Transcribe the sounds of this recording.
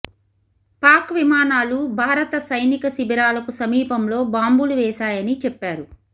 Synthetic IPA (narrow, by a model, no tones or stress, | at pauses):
paːkʋimaːnaːlubʱaːɾɐt̪ɐsɐjnikɐsibiɾaːlɐkusɐmiːpɐmlo̞ːbaːmbuluʋɛːʃaːjɐnit͡ʃɛpːaːɾu